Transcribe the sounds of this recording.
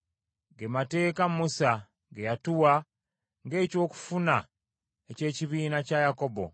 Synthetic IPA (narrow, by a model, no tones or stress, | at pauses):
ɡemate̞ːkamusa | ɡejatuwa | ŋɡe̞ːco̞ːku̥funa | ece̞ːciβiːnacajako̞bo̞̰